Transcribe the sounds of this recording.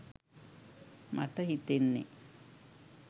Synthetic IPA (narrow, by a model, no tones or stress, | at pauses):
mʔaʈəɦit̪enːḛ